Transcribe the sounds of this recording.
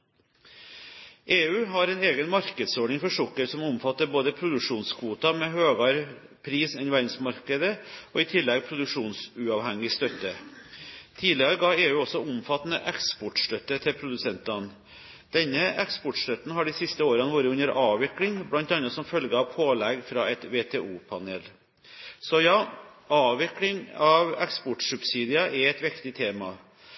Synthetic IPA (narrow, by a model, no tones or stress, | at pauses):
ʔeːʉːɦɑɾɛneːɡənmɑɾkəd̪soːɖɳɪŋfɔʂɔkːəɾsɔmʊmfɑt̪ːəɾboːd̪əpʰɾʊd̪ʉkʂuːnskʰʋuːt̪ɑmɛɦøːɡɑɾ | pʰɾiːsɛnʋæɾɪŋsmɑɾkəd̪əʔoːɪt̪ʰɪlːɛɡ̚pʰɾʊd̪ʉkʂuːnsʉɑːʋhɛŋɪst̪œt̪ːə | t̪ʰiːd̪ɪəɾəɡɑːeːʉːɔsɔʊmfɑt̪ːn̩əʔɛkspɔʈʂʈ̪œt̪ːət̪ʰɪlpʰɾʊd̪ʉsɛnt̪ɑn | d̪̥ɛnːəɛkspɔʈʂʈ̪œt̪ːn̩hɑɖisɪst̪əoːɾɑnəʋuːɾəʉnəɾʔɑːʋʋɪklɪŋblɑnt̪ɑnɑt̪sɔmfœlɡəɑʋpʰoːlɛɡfɾɑːɛt̪ʋeːt̪ʰeːʔuːpʰɑnḛːl | sɔjɑː | ɑːʋɪklɪŋɑʋɛkspɔʈsʉpsiːd̪ɪɑʔɛɾɛt̪ʋɪkt̪ɪt̪ʰeːmɑ